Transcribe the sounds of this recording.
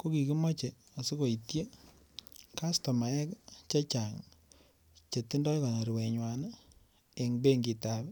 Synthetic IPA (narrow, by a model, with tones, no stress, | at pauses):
ko˦ki˨ki˦mɔ˦t͡ʃe˨ | o˨si˦ko˨itje˦ | ka˦sto˨ma˨ɛ˦kt͡ʃa˦t͡ʃa˨ŋ | t͡ʃe˨tːi˦ndɔ˦jka˨na˨ɾi˨we˨ɲwan | e˨ŋbe˦ŋɡi˨ta˨β